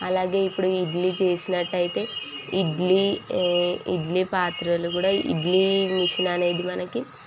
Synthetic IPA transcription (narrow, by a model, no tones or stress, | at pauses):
ɐlaːɡe̞ːipːuɽuiɖlit͡ʃe̞ːsinɐʈːɐjit̪e̞ː | iɖli | iɖlipaːt̪ɾɐlukuːɽaːʔḭɖlimiʂɐnaːne̞ːd̪imɐnɐki